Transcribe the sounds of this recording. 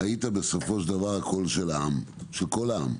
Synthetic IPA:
ait̪abe̞so̞fo̞ʃd̪avaʁako̞lʃelaam | ʃelko̞laa̰m

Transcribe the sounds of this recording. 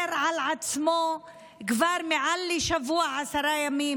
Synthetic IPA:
ɾʕalʕat͡smo | kvaɾmeʕalːiʃavuaʕasaɾˤajamiːm

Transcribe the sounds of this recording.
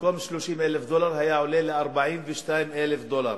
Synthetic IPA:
koːmʃluːʃiːnʔælfd̪oːlɑɾˤhajaʕʊleːlɪʔɑɾˤbaʕiːnbɪʃt̪aːjmʔælfd̪oːlɑ̰ɾˤ

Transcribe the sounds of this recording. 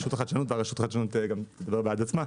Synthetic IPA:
ʃut̪χat̪ʃanut̪vaʁɐʃut̪χaʃanut̪ɡamt̪ed̪abe̞ʁbead̪at͡sma

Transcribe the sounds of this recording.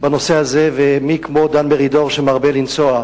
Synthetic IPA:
banosehazevemikmo̞d̪anbeʁid̪oʁʃemaʁbelint͡soa

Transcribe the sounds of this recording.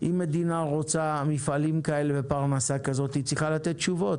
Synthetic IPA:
ʔimːe̞d̪inaʁo̞t͡samifalimkae̞levepaʁnasakazo̞t̪it͡sʁiχalat̪et̪̚t͡ʃuvo̞t̪

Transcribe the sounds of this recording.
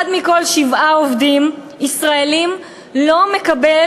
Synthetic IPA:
dmiko̞lʃivaovdim | isʁaelim | lo̞mekabe

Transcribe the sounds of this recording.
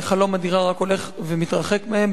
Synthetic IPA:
χalo̞mad̪iʁaʁako̞leχvemit̪ʁaχekmeem

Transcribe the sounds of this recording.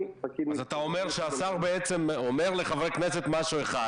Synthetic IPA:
azat̪ao̞meʁʃeasaʁbeet͡se̞mome̞ʁle̞χavʁekne̞set̪maʃue̞χad

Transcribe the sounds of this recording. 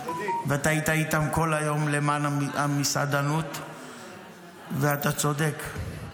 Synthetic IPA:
veat̪ait̪ait̪amko̞lajo̞mlemanamisa̰d̪anut̪ | veat̪at͡so̞d̪ek

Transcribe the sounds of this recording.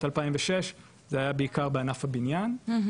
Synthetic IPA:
talpaimveʃe̞ʃ | zeajabeikaʁbeanafhabinjan

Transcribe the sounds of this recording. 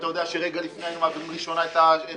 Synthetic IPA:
t̪ajo̞d̪eaʃeʁeɡalifnejnumavʁimʁiʃonaet̪ae

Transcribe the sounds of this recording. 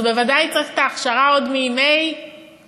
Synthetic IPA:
bevadajt͡satt̪aχʃaʁaodmeimej

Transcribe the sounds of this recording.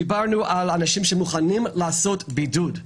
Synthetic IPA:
ibaʁnuʔalanaʃimʃemuχanimlaːsotbidud

